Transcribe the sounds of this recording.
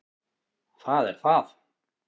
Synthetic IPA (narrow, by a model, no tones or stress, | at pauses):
θaðɛɾ̥θað